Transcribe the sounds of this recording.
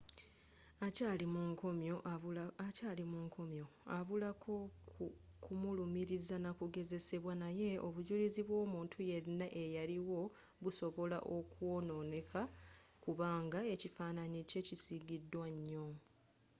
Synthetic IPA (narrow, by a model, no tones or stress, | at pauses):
acalimuŋkomo | caːlimuŋkʰo̞mjo̞aβulakʰo | kʰumulumiɾizanakuɡe̞ze̞se̞βwanaje̞ʔoβuɟuliziβwo̞ːmuːntʰuje̞ɾinaʔe̞jaliwo̞ | βuso̞βo̞la̰ʔo̞kuo̞no̞ːne̞kʰa | kuβaːŋɡae̞cifaːnanice̞cisiɡidːwaɲːo